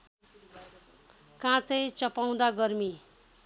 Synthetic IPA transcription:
kãt͡sʌjt͡sʌpaw̃d̪aɡʌrmi

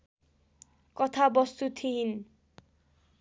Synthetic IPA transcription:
kʌt̪ʰabʌst̪ut̪ʰiɦin

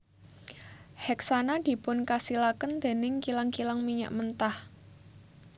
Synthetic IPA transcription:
hɛksanad̪̥i̤pʊnkasilakənd̪̥e̤nɪŋkilaŋkilaŋmiɲa̰ʔmənt̪ah

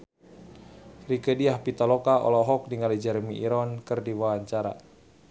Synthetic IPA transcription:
rikədiahpit̪alɔkaʔɔ̰lɔɦɔk̚niŋɡalid͡ʒɛɾmiʔiɾɔnkɨrdiwawaɲt͡ʃaɾa̰

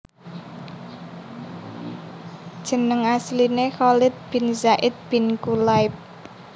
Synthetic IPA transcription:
d̥ʒ̥ə̤nəŋaslinexɔlɪt̪̚b̥i̤nzaʔɪt̪̚b̥i̤nkulaɪp̚

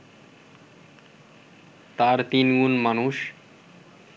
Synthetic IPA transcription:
t̪aɾt̪inɡunmʌnuʃ

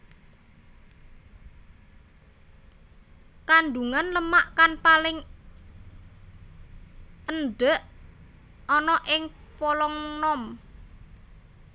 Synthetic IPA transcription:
kanɖuŋanləmaʔkanpalɪŋ | ənɖəʔ | ɔnɔʔɪŋpɔlɔŋnɔm

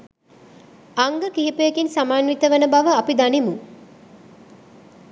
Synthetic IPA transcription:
aŋɡəkiɦipejekinsamaːnʋit̪əʋənəbaʋəapid̪animu

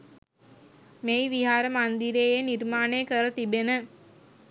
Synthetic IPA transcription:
mejʋiɦaːɾəmand̪iɾeːjenirmaːnejəkəɾət̪ibenə

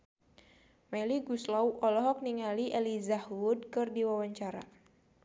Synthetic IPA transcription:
maliɡuslawʔɔlɔɦɔk̚niŋaliʔɛlizahwud̚kɨrdiwawaɲt͡ʃaɾa̰

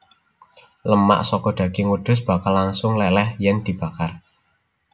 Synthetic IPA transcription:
ləma̰ʔsɔkɔɖ̪̥ä̤ɡ̥iŋuɖ̪̥ʊ̤s̬b̥a̤kalaŋsʊŋlɛlɛhjɛnd̪̥i̤b̥a̤kar

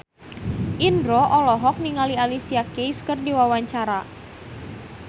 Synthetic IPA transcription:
ʔindɾɔʔɔlɔɦɔk̚niŋalialisiakejskɨrdiwawaɲt͡ʃaɾa

